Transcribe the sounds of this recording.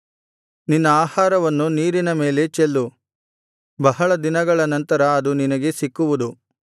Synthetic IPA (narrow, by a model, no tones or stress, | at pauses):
ninːɐaːhaːɾɐʋɐnːuniːɾinɐme̞ːle̞t͡ʃelːu | bɐɦɐɭɐd̪inɐɡɐɭɐnɐnt̪ɐɾɐːd̪uninɐɡe̞sikːuʋud̪u